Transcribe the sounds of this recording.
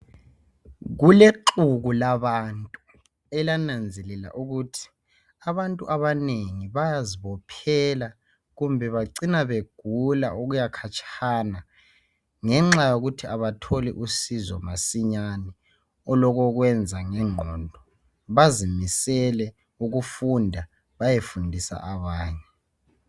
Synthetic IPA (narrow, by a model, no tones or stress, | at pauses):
ɣuleǃuɣulaβantʼu | ɛlanand͡zʱɛlɛla̰ʔuɣutʰi̥ | aβantʼṵʔaβaneŋiβajaziβɔpʰɛla | ɣumbʱɛβaǀinaβeɡ̥ʱula̰uɣujakʰat͡ʃʰʼana | ŋɛŋ͡ǁajoɣutʰiaβatʰɔlḭʔusizɔ̰masiɲanɛ | ɔlɔɣɔɣwɛnd͡zʱaŋɛŋ͡ǃʱɔndʱɔ | βazimisɛlɛ | uɣufundʱa | βajefundʱisa̰ʔaβaːɲɛ